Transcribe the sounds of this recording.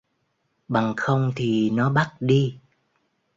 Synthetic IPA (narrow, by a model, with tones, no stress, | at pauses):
ɓa˨˩ŋxə˧wŋ͡mt̪ʰi˨˩nɔ˨˦ɓa˦˥t̚ɗi˧